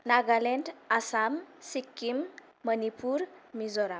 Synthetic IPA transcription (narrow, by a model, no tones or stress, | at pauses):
naɡaleɳʈasamsikːimː | ənipuɾmizɔɾa